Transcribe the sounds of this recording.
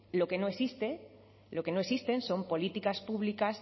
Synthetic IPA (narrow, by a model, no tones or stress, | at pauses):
lo̞ke̞no̞esist̪e̞ | lo̞ke̞no̞esist̪e̞nso̞mpo̞lit̪ikaspuβlikas